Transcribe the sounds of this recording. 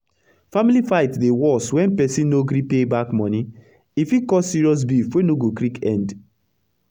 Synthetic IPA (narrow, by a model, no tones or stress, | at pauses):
familifaɪtdewɔswɛ̃npɛsĩnnːoɡɾipebakmɔ̃ni | ifikɔsiɹiɔs̬bifwenoɡokɾikɛ̰̃nd